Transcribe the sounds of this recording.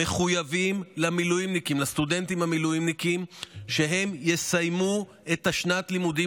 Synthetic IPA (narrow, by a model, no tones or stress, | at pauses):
e̞χujavimlamilujimnikimlast̪ud̪e̞nt̪imhamilujimnikimʃe̞ɦe̞mjesajmu | et̪haʃnat̪limud̪i